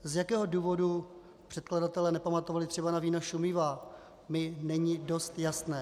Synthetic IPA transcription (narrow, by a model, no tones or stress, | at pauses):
zjakɛːɦo̞duːvo̞du | pr̝̥ɛt̪kladat̪ɛlɛːnɛpamat̪o̞valɪt̪r̥ɛbanaviːnaʃumɪva | mɪnɛɲɪdo̞st̪jasnɛː